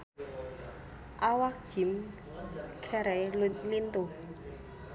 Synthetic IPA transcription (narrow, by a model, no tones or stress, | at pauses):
ʔawak̚d͡ʒ̥i̤m | kʰɛɾɛlt̪lint̪u